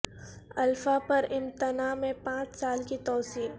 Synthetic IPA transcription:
ɐlfapɐɾɪ̃mt̪ɪnaːmẽpãːt͡ʃsaːlkit̪ɔːsiːn

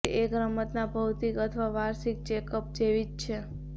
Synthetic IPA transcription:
ʔeɡɾəmət̪nabʱəwt̪ikət̪ʰʋaʋaɾsik̚t͡ʃekəp̚d͡ʒeʋid͡ʒt͡ʃʰe

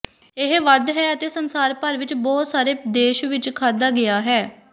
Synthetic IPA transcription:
ɪɦʋəd̪ɦɛːət̪eːsənsaːɾpəɾʋɪt͡ʃbɔːt̪saːɾeːd̪eːʃʋɪt͡ʃkʰaːd̪aːɡɪaːɦɛː

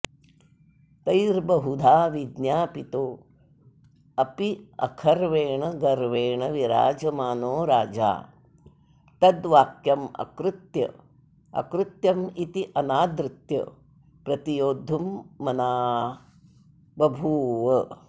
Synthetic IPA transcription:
t̪ɐjɾbɐɦud̪ʱaːʋid̪njaːpit̪oː | ɐpiɐ̰kʰɐɾʋeːɳɐɡɐɾʋeːɳɐʋiɾa̰ːd͡ʒɐmaːnoːɾa̰ːd͡ʒa̰ː | t̪ɐd̪ʋaːkjɐmɐ̰kɾut̪jɐ̰ | ɐ̰kɾut̪jɐmit̪iʔɐnaːd̪ɾɪt̪jɐ̰ | pɾɐt̪ijoːd̪ʱumːɐnaː | bɐbʱuːʋɐ

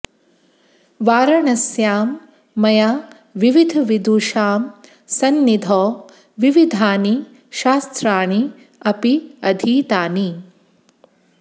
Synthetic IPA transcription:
ʋaːɾɐɳɐsjaːmː | ɐjaː | ʋiʋid̪ʱɐʋid̪uːʃaːm | sɐnːid̪ʱɔː | ʋiʋid̪ʱaːni | ʃaːst̪ɾaːɳi | ɐpiɐd̪ʱiːt̪aːni

